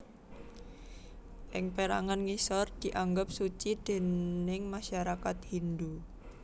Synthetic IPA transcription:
ʔɪŋpeɾa̰ŋanŋisɔrd̪̥i̤ʔaŋɡʊp̚sut͡ʃid̪̥e̤nɪŋmaʃaɾakat̪̚hind̪u

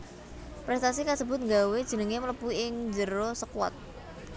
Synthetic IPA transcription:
pɾɛst̪asikasəbʊ̤t̪̚ŋɡawed̥ʒ̥ə̤nəŋemələpuiɪŋd͡ʒəɾosəkwa̰t̪̚

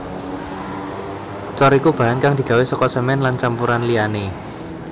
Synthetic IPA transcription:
t͡ʃɔɾikub̥a̤ɦankaŋd̪̥i̤ɡ̥a̤wesɔkɔsəmɛnlant͡ʃampuɾanliane

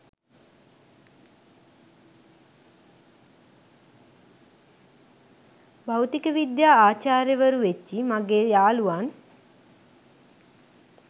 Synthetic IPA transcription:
bawt̪ikəʋid̪jaːaːt͡ʃaːɾjəʋəɾuʋet͡ʃːimaɡeːjaːluʋan

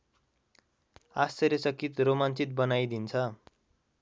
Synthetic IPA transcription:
ast͡sʌɾesʌkit̪romant͡sit̪̚bʌnajd̪int͡sʰʌ

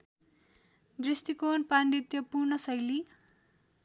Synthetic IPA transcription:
d̪rist̪ikonpand̪it̪jʌpurnʌsʌjli

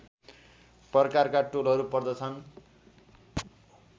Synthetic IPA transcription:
prʌkarkaʈolɦʌɾupʌrd̪ʌt͡sʰʌn

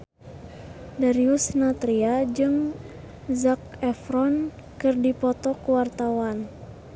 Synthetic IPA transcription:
daɾiusnat̪ɾiad͡ʒɨŋ | zak̚ɛfɾɔn | kɨrdipɔt̪ɔkuwart̪awan

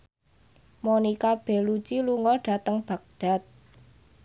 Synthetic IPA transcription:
monikab̥ɛ̤lut͡ʃiluŋɔɖ̥a̤t̪əŋb̥ä̤k̚d̪̥a̤t̪̚

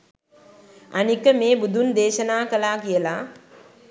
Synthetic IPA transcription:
anikəmeːbud̪ʱund̪eːʃənaːkəlaːkijəla

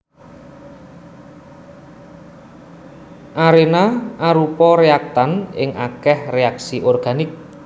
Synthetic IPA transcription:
ʔaɾenaʔaɾupɔɾeak̚t̪anɪ̰ŋʔakɛhreaksiʔɔrɡ̥anɪk̚

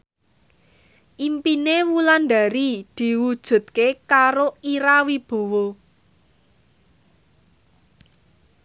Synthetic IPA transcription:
ʔimpinewulanɖ̪a̤ɾid̪̥i̤wud̥ʒ̥ṳd̪̥̚kekaɾoiɾawib̥o̤wɔ

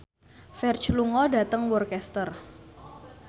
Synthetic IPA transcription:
fɛrt͡ʃluŋɔdat̪əŋwɔrkɛst̪ər

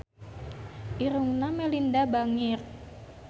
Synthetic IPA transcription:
ʔiɾuŋnamɛlindabaŋɪr

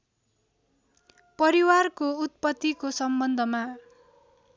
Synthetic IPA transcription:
pʌɾiwarkout̪̚pʌt̪ːikosʌmbʌnd̪ʱʌma

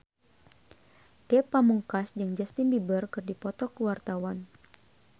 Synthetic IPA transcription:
kɛpamuŋkasd͡ʒɨŋd͡ʒast̪inbibərkɨrdipɔt̪ɔkəwart̪awan

